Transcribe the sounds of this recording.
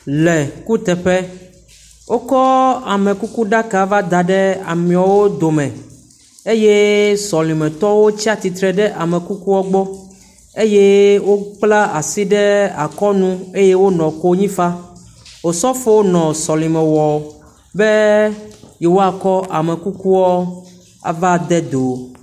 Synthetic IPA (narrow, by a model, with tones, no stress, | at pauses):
lɛ˨ku˦t̪ɛ˨ɸɛ˦ | wʔo˦kɔ˦a˨mɛ̃˨ku˦ku˦ɖa˦ka˨va˦d̪a˨ɖɛ˦a̰˨mĩ˨a˨wo˦d̪o˨mɛ̃˨ | e˦je˦sɔ˨lĩ˨mɛ̃˨t̪ɔ˦wo˦t͡ɕi˦a˨t̪i˨t̪ɾɛ˨ɖɛ˦ʔa˨mɛ̃˨ku˦ku˦wɔ˦ɡ͡bɔ˦ | e˦je˦wo˦k͡pla˦a˨si˦ɖɛ˦a˨kɔ˦nũ˦e˦je˦wo˦nɔ̃˨ko˦ɲĩ˦fa˦ | wo˨sɔ˦fo˦wo˦nɔ̃˨sɔ˨lĩ˨mɛ̃˨wɔ˨ | be˦ | jɛ˨wo˦a˨kɔ˦ʔa˨mɛ̃˨ku˦ku˦wɔ˦ | a̰˨va˦d̪ɛ˦d̪o˨